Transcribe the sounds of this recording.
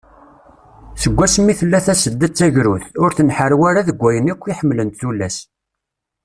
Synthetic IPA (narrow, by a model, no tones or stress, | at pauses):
θəɡʷːæsmːiθəlːæθæsəd̪ːət͡sːæʝɾuθʊɾθənħəɾwæɾaðəɡʷːæjənækʷːiħəmːlənt̪θulːæs